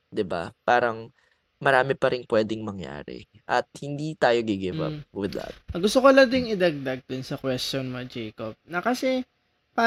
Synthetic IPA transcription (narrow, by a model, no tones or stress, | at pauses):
d̪ɪba̰paːɾɐŋ | mɐɾaːmɪpɐɾʔɪŋpwɛːd̪ɪŋmɐŋja̰ːɾɛ̰ | ʔɐt̪̚hɪnd̪iːt̪aːjoɡɪɡɪvɐ̰p̚wɪd̪ɐ̰t̪̚ɐɡʊst̪okolad̪ɪŋɪd̪ɐɡ̚d̪aɡ̚d̪ʊnsɐkwɛstonmɐd͡ʒɛjkob̚nɐkɐsɛ | pa